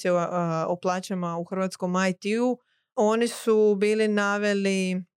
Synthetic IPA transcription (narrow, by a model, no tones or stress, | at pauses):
eoplˠaːt͡ɕamauxr̩ʋat̪sko̞majt̪iu | o̞nisubiːlinaːʋe̞li